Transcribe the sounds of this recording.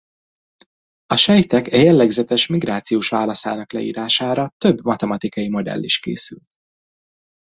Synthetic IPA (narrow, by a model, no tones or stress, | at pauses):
ɒʃɛjt̪ɛkɛjɛlːɛɡzɛt̪ɛʃmiɡraːt̪sijoːʃʋaːlɒsaːnɒklɛ̰ḭːɾaːʃaːɾɒt̪ø̞bmɒt̪ɛmɒt̪ikɒjimo̞d̪ɛ̰lːiʃkḛːsylt̪